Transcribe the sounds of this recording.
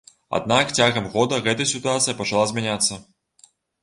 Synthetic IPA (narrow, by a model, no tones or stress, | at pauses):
a̰d̪̚nakt͡sʲaɣɐmɣɔd̪ɐɣɛt̪ɐjsʲit̪uat̪sɨjɐpɐt͡ʂalˠazʲmʲænʲat̪sːɐ